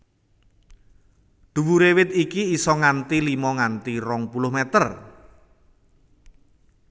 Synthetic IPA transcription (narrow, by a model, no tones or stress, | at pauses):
ɖ̪̥ṳwuɾewɪt̪ikiːsɔŋant̪ilimɔŋant̪irɔŋpulʊhmɛt̪ər